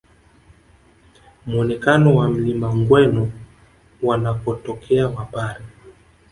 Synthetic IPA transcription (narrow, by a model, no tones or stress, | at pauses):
muɔnɛkanɔwam̩limaŋɡwɛnɔ | wanakɔtɔkʰɛawapaɾi